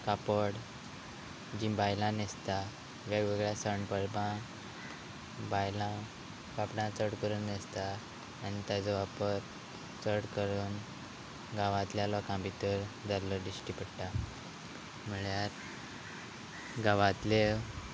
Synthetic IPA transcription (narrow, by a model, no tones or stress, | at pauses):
kapəɽ | d͡ʑĩbajlãnest̪a | ʋeɡʋeɡɭjasəɳpəɾbã | bajlã | kapɽãt͡səɽkəɾuːnnest̪aː | nit̪ad͡zɔʋapəɾ | t͡səɽkəɾuːn | ɡaʋãt̪ljalɔkãmbit̪əɾd͡zalːɔd̪isʈipəɽʈa | m̤əɭjaɾ | ɡaʋãt̪le